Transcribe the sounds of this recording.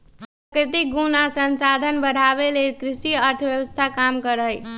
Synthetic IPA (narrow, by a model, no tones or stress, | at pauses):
sakɾit̪ik̚ɡunasənsad̪ʱənbəɽ̤ʱabelekɾisiʌɾt̪ʰəbjʌwəst̪ʰakamkʌɾəj